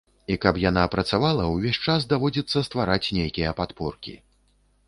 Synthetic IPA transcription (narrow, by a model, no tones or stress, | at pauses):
ikɐpjanapɾɐt̪savalˠɐwvʲeɕʲt͡ʂas̬d̪avɔd͡zʲit̪sːɐst̪vaɾat͡sʲnʲejkʲijɐpat̪pɔrkʲḭ